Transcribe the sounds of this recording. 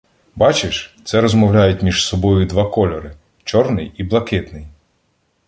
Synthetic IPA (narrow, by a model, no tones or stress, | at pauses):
bɑt͡ʃɪʃt̪sɛɾɔzmɔwlʲajʊtʲmʲiʒsɔbɔjʊd̪ʋɑkɔlʲɔɾɪ | t͡ʃɔrnɪjiblˠɐkɪt̪nɪj